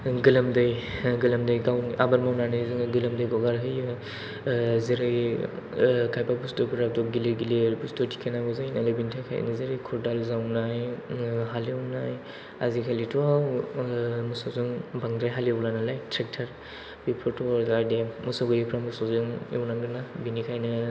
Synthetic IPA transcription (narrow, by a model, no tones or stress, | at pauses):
ɡɯlamdɯjɡɯlamdɯjɡawniʔabaɾmawnanɯzɯŋɡɯlɯmdɯjɡɔɡaɾɦɯjɯ | zeɾɯj | kʰajpabustɔbuɾap̚dɔɡiliɡiliɾbustɔtʰi̥kʰenaɡɔzajnalebintʰajkʰaj̰nizeɾɯjkʰuɾdalzawnajɦaliawnaj | azikʰalitʰuaw | musɔwzɯŋbaŋɾajɦalieblanalajtʰɾek̚tʰaɾ | bipʰɔtʰɔaɾzaɾdemusaɡɯjɯpʰɾamusɔzɯŋewnaŋɡɯnabinikʰajnɯ